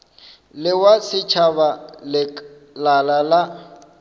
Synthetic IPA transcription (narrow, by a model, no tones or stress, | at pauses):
lɪwasɪt͡ʃʰaβalɪ | lalala